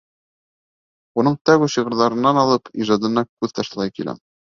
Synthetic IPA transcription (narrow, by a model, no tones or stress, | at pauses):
unɤɴt̪æɣʉɕĭʁɤ̆ɾðɑɾɤ̆nːɑnɑlˠɤpʰiʒɑd̪ɤ̆nɑkʉðt̪ɑʃt̪ɤ̆lˠɑjkilæ̰m